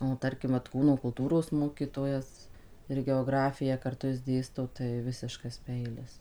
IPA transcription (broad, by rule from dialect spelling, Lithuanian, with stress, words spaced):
oː ˈtɐrʲkʲɪm ʋɐt ˈkuːnoː kʊlˠˈtuːroːs ˈmoːkʲiːtoːjɛs ɪr ɡʲɛoːˈɡrɑːfʲɪjæː kɐrˈtʊ jɪs ˈdʲeːstoː tɐɪ ˈʋʲɪsʲɪʃkɐs ˈpʲɛɪlʲɪs